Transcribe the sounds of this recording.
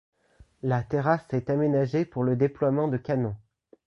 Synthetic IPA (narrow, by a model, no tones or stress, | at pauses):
lat̪eʁasɛt̪amenaʒepuʁləd̪eplwamɑ̃d̪əkanɔ̃